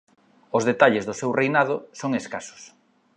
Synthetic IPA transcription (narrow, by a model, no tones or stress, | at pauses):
ozðet̪aʎezðʊsewrejnað̞ʊsoŋeskasʊ̥s